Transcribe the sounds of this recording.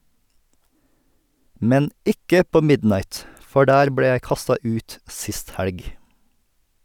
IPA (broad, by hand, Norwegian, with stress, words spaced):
ˈmɛn ˈɪkə ˈpoː ˈmɪdnɑɪt ˈfɔ ˈɖæːɾ ˈbɽeː ˈjæɪ ˈkɑstɑ ˈʉːt ˈsɪst ˈhælɡ